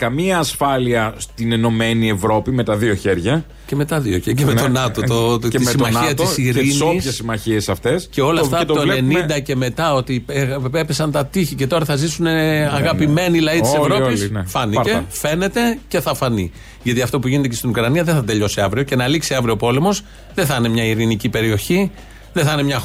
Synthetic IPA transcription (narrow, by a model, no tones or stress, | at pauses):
kɐmiɐːsfɐliɐst̪ineno̞me̞nie̞vɾo̞pime̞t̪ɐðio̞çe̞ɾʝɐ | ce̞me̞t̪ɐðioçemet̪o̞nɐt̪ot̪oeissimɐçiɐt̪isiɾinosçessːimɐçiesɐft̪e̞sce̞o̞lɐft̪ɐt̪ot̪oeenind̪ɐce̞me̞t̪ɐo̞t̪iepepesɐnt̪ɐt̪içice̞t̪o̞ɾɐθɐzisuneɐɣɐpime̞nilɐitissevɾo̞pisnfɐniefe̞ne̞t̪e̞ce̞θɐfɐni | ʝɐt̪iɐft̪o̞puʝinet̪ecest̪inukɾɐniɐðeθɐt̪e̞ʎo̞siɐvɾio̞ce̞nɐliksiɐvɾio̞po̞le̞mo̞z | ðeθɐne̞mɲɐiɾinicipe̞ɾio̞çi | ðeθɐnemɲɐ